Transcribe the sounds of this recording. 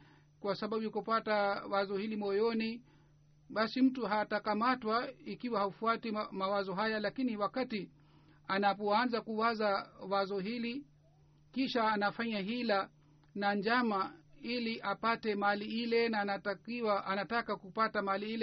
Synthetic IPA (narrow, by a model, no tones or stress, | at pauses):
kwasaɓabujikupatawazɔhilimɔjɔni | ɓasim̩tuɦatakamatwaikiwahaufuatimawazɔɦajalakiniwakati | anapɔanzakuwazawazɔɦili | kiʃaːnafaɲaɦila | naɲd͡ʒamailiʔapatɛmaliilɛnaːnatakiwaʔanatakakupatamaaliilɛ